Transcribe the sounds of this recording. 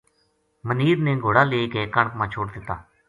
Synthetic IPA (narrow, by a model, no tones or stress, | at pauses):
məniːɾnẽːɡʱoːɽaːleːkeːkəɳkmãːt͡ʃʰoːɽd̪ɪt̪a̰ː